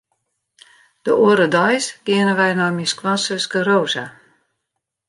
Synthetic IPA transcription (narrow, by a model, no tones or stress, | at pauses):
d̥əʔoəɾədɔjsɡ̥ɪənəʋɛjnɔjmiskwɔnsəsɡəɾoːza